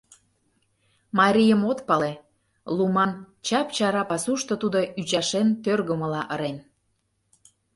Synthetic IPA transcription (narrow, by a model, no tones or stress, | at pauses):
mɑɾʲijəmot̪pɑle | lumɑn | t͡ɕɑpt͡ɕɑɾɑpɑsuʃt̪ot̪ud̪oʔyt͡ɕɑʃent̪ørɣəmə̆lɑʔəɾen